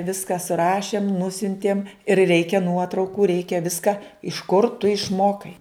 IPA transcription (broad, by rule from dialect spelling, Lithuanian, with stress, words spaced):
ˈʋʲɪskɐ sʊˈrɑːʃʲeːm ˈnʊsʲʊnʲtʲiɛm ɪr ˈrʲɛɪkʲɛ ˈnuɔtrɐʊkuː ˈrʲɛɪkʲɛ ˈʋʲɪskɐ ɪʃ kʊr tʊ ɪʃˈmoːkɐɪ